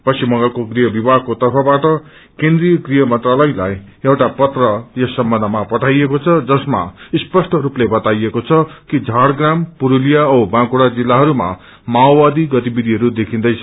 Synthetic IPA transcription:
pʌsimʌ̃ŋɡʌkoɡriɦʌbibaɦkot̪ʌrpʰʌbaʈʌ | kend̪rijʌɡrijʌmʌnt̪ralʌjlaj | ewʈapʌt̪rʌjʌsʌmbʌ̃nd̪ʱʌmapʌʈʰajekot͡sʰʌd͡zʌsma̰spʌsʈʌɾuplebʌt̪ajekot͡sʰʌkid͡zʱaɽɡrampuɾulijaʌwbãkuɽad͡zilːaɦʌɾuma̰ | maobad̪iɡʌt̪ibid̪ʱiɦʌɾud̪ekʰĩnd̪ʌjt͡sʰʌ

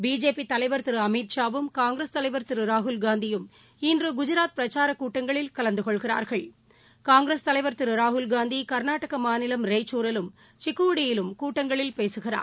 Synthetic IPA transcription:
biːd͡ʒeːpit̪ɐlɐɪʋɐɾt̪ɪɾɯɐmiːt̪ʂaːʋɯmkaːŋɡɾest̪ɐlɐɪʋɐɾt̪ɯɾɯɾaːɦʊlɡaːnd̪ɪjɯm | ɪndrɯɡʊd͡ʒɯɾaːt̪̚pɾɐt͡ʃaːɾɐkuːʈːɐŋɡɐɭɪlkɐlɐnd̪ɯkɔɭɣɪra̰ːɾɣɐɭ | kaːŋɡɾest̪ɐlɐɪʋɐɾt̪ɯɾɯɾaːɦʊlɡaːnd̪ikɐɾnaːʈːɐɣɐmaːnɪlɐmɾeɪt͡ʃːuːɾɪlɯm | t͡ʃɪkːuːɽɪjɪlɯmkuːʈːɐŋɡɐɭɪlpeːsɯɣɪra̰ː

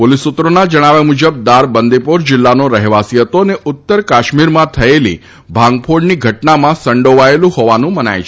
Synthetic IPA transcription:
polisut̪ːɾonad͡ʒəɽ̃aʋemud͡ʒəb̚d̪aɾbənd̪ipoɾd͡ʒɪlːanoɾəɦʋasiət̪oəneʔʊt̪ːəɾkaʃmiɾmãt̪ʰəelḭ | bʱãŋɡ̚pʰoɽniɡʱəʈnamãsəɳɖoʋaelũhɔʋanũməna̰jt͡ʃʰe

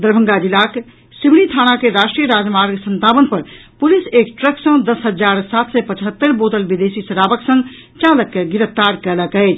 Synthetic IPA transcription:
d̪əɾbʱə̃ŋɡad͡ʒilak | simɽ̃it̪ʰañakeɾaʃʈɾijəɾad͡ʒmaɾɡsə̃nt̪abənpəɾ | pulisekʈɾəksə̃d̪əsɦəd͡ʒaɾsat̪sɛpət͡ʃɦət̪ːəɾbot̪əlbid̪esisəɾabəksə̃ŋɡ | t͡ʃaləkːeɡiɾəft̪aɾkɛləkəɪt͡ʃʰ

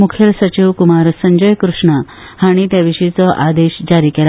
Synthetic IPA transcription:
mukʰjəlsət͡ɕiʋkumaɾsəɲd͡ʑəjkɾuʂɳa | haɽ̃it̪jaʋiɕit͡sɔʔad̪eɕd͡ʑaɾiːkela

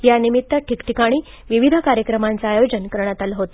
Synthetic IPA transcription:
janimit̪ːəʈikʈikaɽ̃iː | ʋiʋid̪ʱəkaɾjəkɾəmant͡saajod͡ʑənkəɾɳ̃at̪alɦot̪

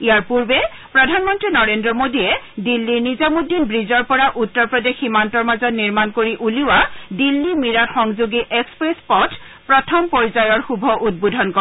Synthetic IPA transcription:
ijaɹpuɹbɛ | pɹɔdʱanmɔntɹinɔɹendɹɔmodiɛdilːiɹnizamudinbɹizɔɹpɔɹaʔutːɔɹpɹɔdeximantɔɹmazɔtniɹmankoɹiʔuliwadilːimiɹatxɔŋzuɡiʔɛkspɹespɔt | pɹɔtʰɔmpɔɹzajɔɹxubʱɔʔud̚bodʱɔnkɔ

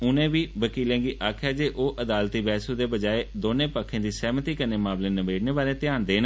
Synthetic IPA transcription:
ʊnẽːʋiːʋəkiːlẽːɡiːʔaːkʰɛːd͡ʒeːʔoːʔəd̪aːlt̪iːbɛːsuːd̪eːbəd͡ʒaːeːd̪oːnẽːpəkʰːẽːd̪iːsɛːmət̪iːkənẽːmaːmlẽːnəbeːɽneːbaːɾẽːt̪ɪjaːnd̪eːn

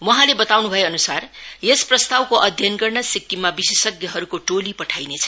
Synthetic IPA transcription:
wʌɦãlebʌt̪awnubʱʌjeʌnusarjesprʌst̪awkoʔʌd̪ʱjʌnɡʌrnʌsikːimabisesʌɡjʌɦʌɾukoʈolipʌʈʰajnet͡sʰʌ̥

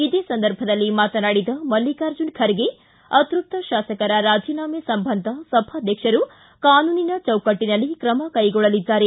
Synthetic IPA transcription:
id̪eːsɐnd̪ɐɾbʱɐd̪ɐlːimaːt̪ɐnaːɽid̪ɐmɐlːikaːɾd͡ʒunkʰɐɾɡe | ɐt̪ɾup̚t̪ɐʃaːsɐkɐɾɐɾaːd͡ʒiːnaːmesɐmbʱɐnd̪ʱɐsɐbʱaːd̪ʱjɐkʂɐɾu | kaːnuːninɐt͡ʃɐwkɐʈːinɐlːikɾɐmɐkɐjɡɔɭɐlid̪ːaːɾe

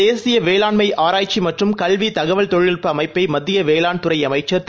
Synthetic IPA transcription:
eːsɪjɐʋeːlaːɳmɐɪʔʔaːɾaːjt͡ʃːimɐʈrɯmkɐlʋit̪ɐɣɐʋɐɭt̪ɔɻɪɭɪrpːɐɐmɐɪpːɐɪmɐðːɪjɐʋeːlaːɳt̪ɯɾɐɪɐmɐɪt͡ʃːɐɾ

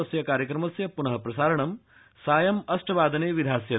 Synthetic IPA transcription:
ɐsjɐkaːɾjɐkɾɐmɐsjɐpunɐɦɐpɾɐsaːɾɐɳɐm | saːjɐmɐsʈɐʋaːd̪ʱɐneːʋid̪ʱaːsjɐ

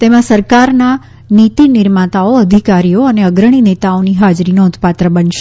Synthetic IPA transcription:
t̪emãsəɾkaɾna | nit̪inɪɾmat̪aoəd̪ʱikaɾijoəneəɡɾəɽ̃inet̪aoniɦad͡ʒɾinoʊt̪pat̪ɾəbənʃe

